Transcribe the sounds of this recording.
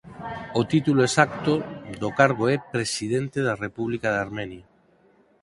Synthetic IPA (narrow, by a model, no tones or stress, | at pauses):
ot̪it̪uloesak̚t̪od̪okaɾɣoɛpɾesiðent̪eðarepuβlikaðaɾmenja